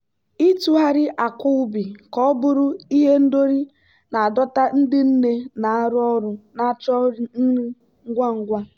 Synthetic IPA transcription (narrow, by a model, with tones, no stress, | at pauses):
i˦tu˦ɦa˦ɾɪ˦ʔa˨kʊ˦ʊ˦bi˨kɔ˦ɔ˦bʊ˦ɾʊ˦i˦ɦe˦n̩˦do˦ɾi˦ | na˨a˨dɔ˦ta˦n̩˦dɪ˦n̩˦ne˦na˨a˦ɾʊ˦ɔ˦ɾʊ˨na˨˦t͡ʃɔ˦n̩˦i˦ | ŋ̩˦ɡʷa˦ŋ̩˦ɡʷa˦